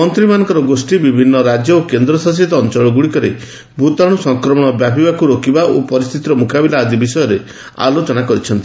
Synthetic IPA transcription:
mɔnt̪ɾimanɔ̃ŋkɔɾɔɡosʈibibʱinːɔɾad͡ʒjɔokend̪ɾɔsas̬it̪ɔːnt͡ʃɔɭɔɡuɽikɔɾḛ | bʱut̪aɽ̃usɔŋkɾɔmɔɽ̃ɔbjapibakuɾokibaʔopɔɾist̪ʰit̪iɾɔmukabilaːd̪ibisɔjɔɾe | a̰lot͡ʃɔnakɔɾit͡ʃʰɔnt̪i

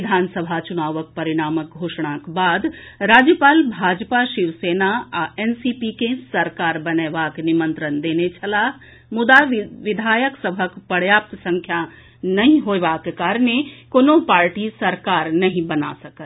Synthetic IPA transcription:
ɪd̪ʱaːnsəbʱat͡ʃʊnaːʋək̚pɐɾɪɽ̃aːmək̚ɡʱoːʃɽ̃akbaːd̪ɾaːd͡ʒjəpaːlbʱaːd͡ʒpaʃɪʋseːnaaɛnsipikẽsɐɾkaːɾbɐneːʋaknɪmə̃nt̪ɾənd̪eːnet͡ʃʰɐlaː | mʊd̪aʋɪd̪ʱaːjəksəbʱəkpəɽjaːp̚t̪sə̃ŋkʰja | nɐɦĩɦoeʋakekaːɾnekoːnõpaːɾʈisɐɾkaːɾnɐɦĩbɐna̰səkət̪

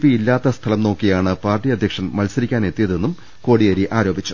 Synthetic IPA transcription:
piilːaːt̪ːɐst̪ʰɐlɐmno̞ːkːijaːɳɨpaːrʈːiɐd̪ʱjɐkʂɐnmɐlsɐɾikʲːaːne̞t̪ːijɐðe̞nːum | ko̞ːɽijɐɾiʔaːɾo̞ːbit͡ɕːu

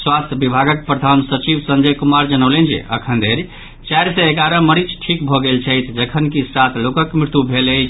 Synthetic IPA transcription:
swast̪ʰjəbibʱaɡək̚pɾəd̪ʱansət͡ʃibsə̃nd͡ʒəjkumaɾd͡ʒənəʊlend͡ʒḛʔə̰kʰənd̪ʱeɾ | t͡ʃajɾseeɡaɾə̃məɾit͡ʃʰʈʰikbʱɔɡelt͡ʃʰəjt̪ʰd͡ʒəkʰənkisat̪ʰlokəkmɾɪt̪jubʱele

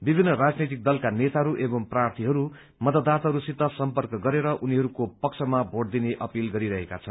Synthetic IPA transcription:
bibʱinːʌrad͡znit̪ik̚d̪ʌlkanet̪aɦʌɾuʔebʌmprart̪ʰiɦʌɾu | mʌd̪ʌd̪ːat̪aɦʌɾusit̪ːʌsʌmpʌrkʌɡʌɾeɾʌʔuniɦʌɾukopʌk̚t͡sʰʌmabʱoɽd̪ineʔʌpilɡʌɾiɾʌɦeka̰t͡sʰʌn

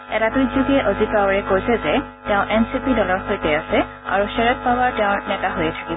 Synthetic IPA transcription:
ɛtabizuɡiɛʔozit̚awaɹɛkojsɛzɛ | tɛʊ̃ʔɛnsipidɔlɔɹxojtɛasɛ | a̰ɹusɛɹɔt̚pawaɹtɛʊ̃nɛtaɦojɛtʰḁkibɔ

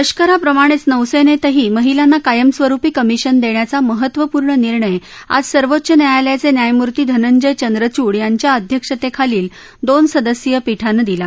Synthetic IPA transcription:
əɕkəɾapɾəmaɽ̃et͡snəʋsenet̪əɦiːməɦilanːakajəmsʋəɾupiːkəmiɕənd̪eɳjat͡saməɦət̪ːʋəpuːɾɳəniɾɳəja̰d͡zsəɾʋot̪ːɕənjajaljat͡senjajmuɾt̪iːd̪ʱənəɲd͡ʑəjt͡ɕənd̪ɾət͡ɕuːɽjaɲt͡ɕjaəd̪ʱjəkʂət̪ekʰaliːl | d̪onsəd̪əsjəpiʈʰanəd̪ila

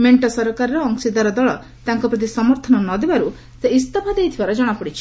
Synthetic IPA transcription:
meɳʈɔsɔɾkaɾɔɾɔːŋsid̪aɾɔd̪ɔɭɔ | t̪aŋkɔpɾɔt̪̬isɔmɔɾt̪ʰɔnɔnɔd̪ebaɾu | seist̪ɔpʰad̪ejt̪ʰibaɾɔd͡ʒɔɽ̃apɔɽit͡ʃʰi̥

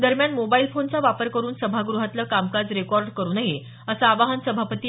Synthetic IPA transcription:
d̪əɾmjanmobailfont͡saʋapəɾkəɾuːnsəbʱaɡɾuɦat̪ləːkamkad͡zɾekɔɾɖkəɾuːnaɦe | əsəaʋaɦənsəbʱapət̪iː

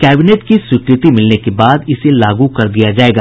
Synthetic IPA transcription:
kɛːbɪneːʈkiswɪkɾɪt̪imɪlnekebaːd̪ɪselaːɡukɐɾd̪ijad͡ʒaːeːɡaː

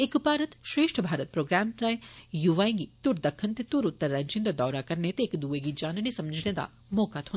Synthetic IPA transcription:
ekbʱaːɾət̪ʃɾeːʃʈʰəbʱaːɾət̪̚pɾoːɡɾaːmt̪ɾãẽjuʋaːẽŋɡit̪uɾd̪əkʰːənt̪et̪uɾʊt̪ːəɾːɐnt͡ʃɪnd̪əd̪ɔːɾakɐɾnet̪eːkd̪uːeɡid͡ʒaːnnesɐməd͡ʒʱned̪a̰ | moːkat̪ɦõ

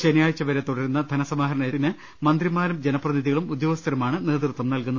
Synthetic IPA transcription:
ɕenɐjaːjɐt͡ɕːɐʋɐɾet̪uɽɐɾunːɐd̪ʱɐnɐsɐmaːɦɐɾɐɳɐjɐinɨ | mɐnd̪rimaːɾɐmd͡ʑenɐpːrɐðiðiɣɐɭumud̪jo̞ːɡɐst̪ʰɐɾɐmaːɳɨne̞ːt̪rut̪ʋɐmnɐlkunːɐ

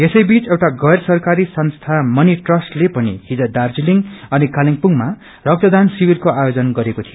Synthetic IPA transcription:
esʌjbit͡sewʈaɡʌjrsʌrkaɾisʌnst̪ʰamʌniʈrʌsʈlepʌnḭɦid͡zʌd̪ard͡ziliŋʌnikaliŋpuŋma | rʌk̚t̪ʌd̪ansibilkoajod͡zʌnɡʌɾekot̪ʰijo

